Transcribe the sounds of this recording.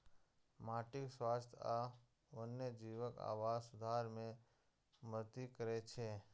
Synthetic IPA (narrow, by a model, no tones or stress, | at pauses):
maːʈɪkswaːst̪ʰa | ʋənːjəd͡ʒiʋəka̰ːʋaːd͡ʒsʊd̪ʱaːɾmẽ | mət̪ikəɾet͡ʃʰeː